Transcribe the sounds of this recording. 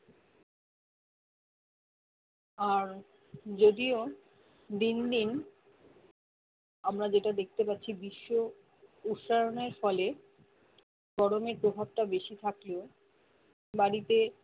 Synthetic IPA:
aɾ | d͡ʑod̪io | d̪ind̪in | amɾad͡ʑeʈad̪ek̚ʰt̪epat̪ːɕʰibiʃːo | ut̪ʃaɾoneɾfɔle | ɡ̥ɔɾomeɾpɾobʱab̚ʈabeʃit̪ʰakle | baɾit̪e

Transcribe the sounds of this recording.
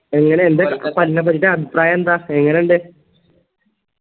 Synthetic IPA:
e̞ŋːɐneːnd̪ekːpɐlinɐpːɐtiʈːeɐbʱipraːjɐend̪aːeŋːɐneuɳɖe

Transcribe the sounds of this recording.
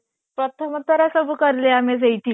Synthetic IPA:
pɾət̪ʰəmət̪ːəɾasəbʱukəɾleames̬ejʈi

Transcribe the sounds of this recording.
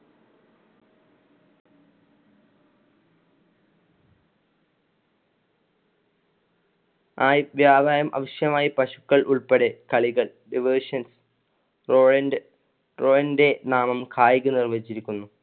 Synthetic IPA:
aːjʋjaːb̪ʱaːjɐmʔɐ̰ʋɐɕjɐmaːjipɐɕu̥kːɐɭʔuɭpeɽe̞kɐɭiɣɐɭ | ɖiʋoːʂɐns | roːɻɐnd | roːjɐnde̞naːmɐmkʰaːjiɣɨnirʋɐit͡ɕːiɾikʲːunːu

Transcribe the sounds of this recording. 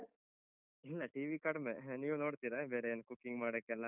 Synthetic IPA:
ilːɐʈiːʋikɐɽɐmeniːʋonoːɽt̪iɾabeːɾenːɐkukːiŋɡmaːɽekːɛlːa

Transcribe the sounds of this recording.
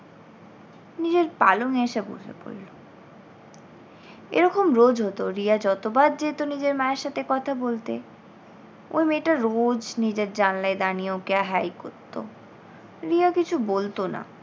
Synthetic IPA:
nid͡ʑeɾpa̰loŋeeʃabṵd͡ʒʱḛpo̰lːo | ḛɾɔkomɾod͡ʑɦot̪oɾiad͡ʑɔt̪obad̪̚d͡ʑet̪onid͡ʑeɾmaeɾʃat̪ʰekɔt̪ʰabolt̪e | o̰jmeʈaɾod͡ʑnid͡ʑeɾd͡ʑanlaed̪anieookeaɦajkoɾt̪ːo̰ | ɾiakit͡ɕʰubolt̪ona̰

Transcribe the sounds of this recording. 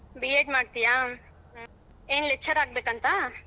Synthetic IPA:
bijeːɖmaːɖt̪ija | eːnlekt͡ʃɐɾaːɡ̚beːkɐnt̪ɐ

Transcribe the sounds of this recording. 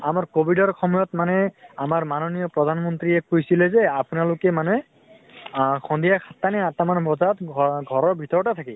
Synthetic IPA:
amaɹkobʱidɔɹxʰɔmɔjɔtmanɛamaɹmanɔnijɔpɹɔd̪ʱanmɔntɹiɛkojsilɛzɛapunalokɛmanɛ | kʰɔnd̪ijakʰat̪ːanɛat̪amanbʱɔzaɔtɡʱɔɹɔɹbʱitɔɹtat̪ʰaki

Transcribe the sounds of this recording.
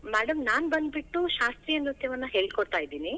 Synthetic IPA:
maːɽɐmnaːnbɐnd̪biʈːuʃaːst̪ɾijɐnɾut̪jɐʋɐnːɐɦe̞ːɭkoɽt̪aːjd̪iːni

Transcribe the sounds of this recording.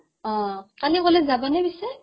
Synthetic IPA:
ɔ̃kalikolɛzabɔnɛbisɛ

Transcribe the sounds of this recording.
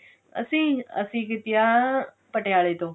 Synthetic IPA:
ə̰sĩːə̰sĩːkɪt̪ɪja | pəʈjaːɭet̪oː

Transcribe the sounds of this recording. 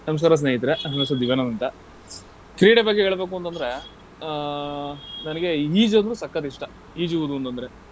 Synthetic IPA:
nɐmɐs̬kaːɾɐs̬neːɦit̪ɐɾeɦɐnɐsɐd̪iʋɐːnɐnɐnt̪ɐ | kɾiːɽebɐɡːeɦeːɭɐbe̞ːk̬uɐnt̪ɐnd̪ɐɾe | nɐnɐɡe̞iːd͡ʒɐnd̪ɾuːsɐkːɐd̪iʂʈɐ | iːd͡ʒuʋud̪uɐnt̪ɐnd̪ɐɾe̞

